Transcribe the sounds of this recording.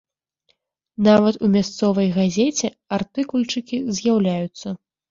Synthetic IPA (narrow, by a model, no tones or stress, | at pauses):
navɐt̪umʲast̪sɔvɐjɣazʲet͡sʲɛ | art̪ɨkulʲt͡ʂɨkʲizʲjawlʲajut̪sːɐ